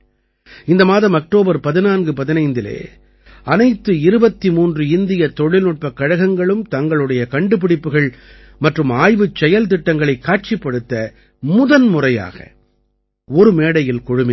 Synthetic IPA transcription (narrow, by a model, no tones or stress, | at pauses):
ɪnd̪ɐmaːðɐmɐk̚ʈoːbɐɾpɐðɪnaːnɡɯpɐðɪnɐɪnd̪ɪlḛː | ɐnɐɪt̪ːɯɪɾɯbɐt̪ːimuːndrɯɪnd̪ɪjɐt̪ɔɻɪlnɯʈ̚pɐkːɐɻɐɣɐŋɡɐɭɯmt̪ɐŋɡɐɭɯɽɐjɐkɐɳɖɯp̬ɪɽɪpːɯɣɐɭ | mɐʈrɯmaːjʋɯt͡ʃːɛjɐlt̪̬ɪʈːɐŋɡɐɭɐɪkːaːʈ̚t͡ʃɪpːɐɽɯt̪ːɐ | mʊðɐnmʊrɐja̰ːɣɐ̰ | ɔɾɯmeːɽɐjɪlkɔɻɯmɪ